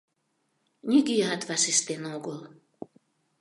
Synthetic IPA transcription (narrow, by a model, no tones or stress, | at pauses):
nʲyɡiɑt̪vɑʃeʃt̪enoɡol